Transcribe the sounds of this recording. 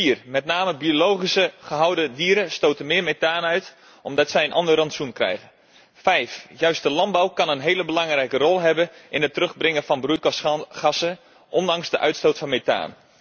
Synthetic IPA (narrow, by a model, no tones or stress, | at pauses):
fiːərmɛtnaːməbiolowχisəχəɦɑwdədiːɾəstoːtənmɪːəmetaːnəœɥt | ʔɔmdɑtsɛjənʔɔ̰ndərɑntsjunkrɛ̰jɣən | fɛjfjœɥst̚dəlɑnbawkɑnənɦeːləbəlɑŋrɛjkərɔlˠɦɛbənʔɪnɦətːərɵχbrɪŋəfɑnbrutxɑsə | ʔɔndɑŋsdəʔœɥtstoːtfɑnmeta̰ːn